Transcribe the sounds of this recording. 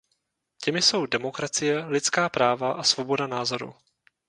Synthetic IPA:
cɛmɪso̞wdɛmo̞kɾat͡sɪjɛlɪt͡skaːpɾaːvaʔasvo̞bo̞danaːzo̞ɾṵ

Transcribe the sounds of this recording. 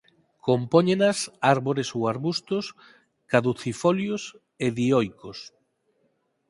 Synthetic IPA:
kompɔɲenasaɾβoɾesowaɾβust̪ʊs | kaðuθifɔljos | eðiɔjkos

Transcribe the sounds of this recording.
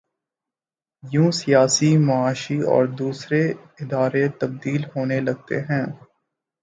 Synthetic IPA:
jũːsijaːsimɐaːʃiɔ̰ːɾd̪uːsɾe | ɪd̪aːɾet̪ɐb̚d̪iːlɦoːnelɐɡ̚t̪ḛɦɛ̃ː

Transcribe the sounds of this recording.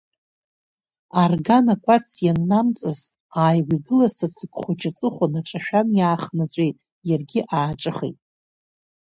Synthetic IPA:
arɡanakʷʼat͡sʰjanːamt͡sʼɨz | aːjwiɡɨlasat͡sʰɨkʷʰʼχʷʊt͡ʃʰʼat͡sʼɨχʷʊnaʈ͡ʂʼaʃᶣanjaːχnat͡sʷʼejtʼ | jarɡʲɪʔaːʈ͡ʂʼɨχḛjtʼ

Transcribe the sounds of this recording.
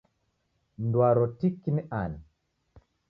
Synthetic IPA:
ndwaɾɔtikːiniʔani

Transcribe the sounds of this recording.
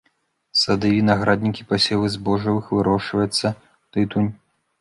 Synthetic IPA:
sad̪ɨvʲinɐɣɾad̪ʲnʲikʲipɐsʲɛlˠɨzbɔʐɐvɨxvɨɾɔʂvɐjut̪sːɐ | t̪ɨt̪unʲ

